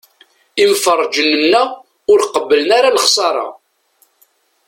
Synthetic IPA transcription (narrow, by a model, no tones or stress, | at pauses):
imfərˤːd͡ʒənənːæ | ʊɾqəbːələnaɾaləχsˤɑɾˤɑ̰